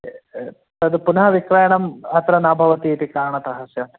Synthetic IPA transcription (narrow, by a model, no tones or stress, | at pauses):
t̪ɐd̪upunɐɦɐʋikɾɐjɐɳɐmɐt̪ɾɐnaːbʱɐʋɐt̪iet̪ikaːɳɐt̪ɐɦɐsjɐm